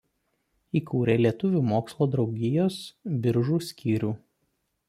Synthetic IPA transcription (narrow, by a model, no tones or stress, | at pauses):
iːkuːɾʲeːlʲiɛt̪ʊʋʲuːmoːkslˠoːd̪ɾɒʊɡʲɪjoːsbʲɪɾʒuːsʲkʲiːɾʲuː